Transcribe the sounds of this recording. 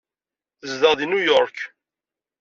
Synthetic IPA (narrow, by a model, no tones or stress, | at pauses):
əzðəʁðinujɔɾk